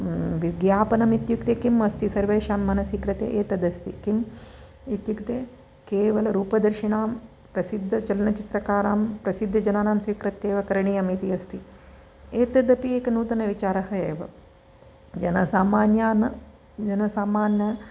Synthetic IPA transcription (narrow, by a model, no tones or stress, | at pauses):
ʋiɡjaːpɐnɐmit̪jukt̪eːkimɐst̪isɐɾʋɐːʃaːmːɐnɐsiːkɾɐt̪ḛːʔeːt̪ɐd̪ɐst̪ikim | it̪jukt̪eː | keːʋɐlɐɾuːpɐd̪ɐɾʃiɳaːm | pɾɐsid̪ʱːɐt͡ʃɐlɐnɐt͡ʃit̪ɾɐkaːɾaːmpɾɐsid̪ʱːɐd͡ʒɐnaːnaːmsʋiːkɾɐt̪ːeːʋɐkɐɾɐɳijɐːmit̪iɐst̪i | eːt̪ɐd̪ɐpieːkɐnuːt̪ɐnɐʋit͡ʃaːɾɐɦɐeːʋɐ̰ | d͡ʒɐnɐsaːmaːnjaːnɐ | d͡ʒɐnɐsaːmaːnjɐ